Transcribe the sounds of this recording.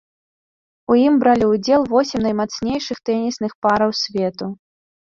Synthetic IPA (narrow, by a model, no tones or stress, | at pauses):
ujimbɾalʲiud͡zʲɛlˠvɔsʲɛmnɐjmat̪snʲejʂɨxt̪ɛnʲisnɨxpaɾɐwsʲvʲɛt̪u